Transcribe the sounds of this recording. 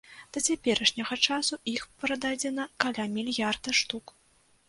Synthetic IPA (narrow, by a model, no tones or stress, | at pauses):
d̪̥ɐt͡sʲapʲɛɾɐʂnʲɐɣɐt͡ʂasuixpɾɐd̪ad͡zʲɛnɐkalʲamʲilʲjard̪ɐʂt̪uk